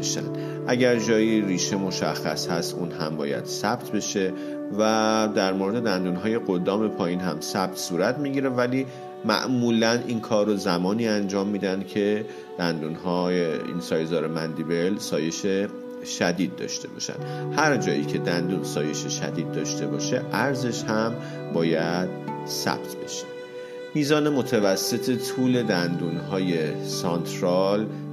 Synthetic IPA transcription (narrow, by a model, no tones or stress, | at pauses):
ʃæ̰nd̪ | ʔæɟæɾd͡ʒɒːjiriːʃe̞mo̞ʃæ̰xːæ̰shæst̪uːnɦæmbɒ̰ːjæ̰d̪̥sæb̚t̪ʰbe̞ʃe̞ | væd̪æɾmoɾe̞d̪e̞d̪ænd̪uːnɦɒːje̞ɡo̞d̪ɒːme̞pʰɒːjinɦæmsæb̥̚t̪ʰsuːɾæt̪ʰmiːɟiɾevæliː | mæ̰ʔmuːlænʔiːnkʰɒːrːozæmɒːniːænd͡ʒɒːmːiːd̪ænd̪̥̚cʰe̞ | d̪̥ænd̪uːnɦɒːjeḭnsɒːjzɒːɾemænd̪ibe̞lsɒːje̞ʃe | ʃæd̪iːd̪̚ːɒ̰ːʃt̪ʰe̞bɒ̰ːʃæ̰nd̪̥hæɾd͡ʒɒːʔḭːcʰe̞d̪ænd̪uːnsɒːje̞ʃe̞ʃæ̰d̪iːd̪̚ːɒːʃt̪e̞bɒːʃe̞ʔæɾze̞ʃhæm | bɒːjæd̪̥ | sæ̰b̥̚t̪ʰbe̞ʃe̥ | miːzɒːne̞mot̪ʰævæsːe̞t̪ʰe̞t̪ʰuːle̞d̪ænd̪uːnɦɒːjesɒnt̪ʰɾɒl